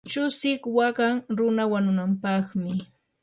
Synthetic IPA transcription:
t͡ʃʊsɪkwaɢaŋɾʊnawanʊnampɑχmɪ

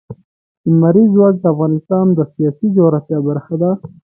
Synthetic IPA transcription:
ɪmaɾizwɑk̚d̪əafɣɑnɪst̪ɑnd̪əsijɑsid͡ʒawɾafjɑbaɾxad̪a

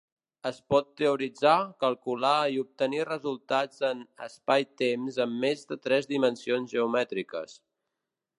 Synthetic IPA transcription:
əspɔt̪ːəuɾid͡zakəlˠkulaiup̚t̪ənirəzulˠt̪ad͡zənə̰spajt̪emzəmːezðət̪ɾɛzðimənsionzʒəumɛt̪ɾikə̰s

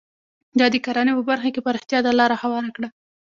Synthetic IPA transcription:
d̪ɑd̪əkaɾɑnepəbaɾxakepaɾɪxt̪ijɑd̪alɑɾahawɑɾakɽa

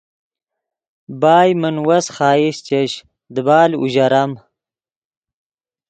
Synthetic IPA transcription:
baːjmənwɐsχɑːist͡ʃeɕ | d̪əbaːlṵʑɐɾɐm

